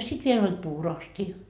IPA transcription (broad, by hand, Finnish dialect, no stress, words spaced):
sit ʋiel olʲ puːroɑstiɑ